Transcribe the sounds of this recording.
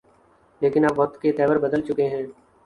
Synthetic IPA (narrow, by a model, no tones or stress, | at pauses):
leːkɪnaːpʋɔt̪ket̪ɛːʋəɾbəd̪əlt͡ʃʊkeɦɛ̃ː